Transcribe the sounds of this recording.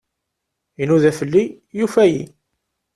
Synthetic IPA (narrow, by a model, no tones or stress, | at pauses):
jənuðæfəlːi | jufæjḭ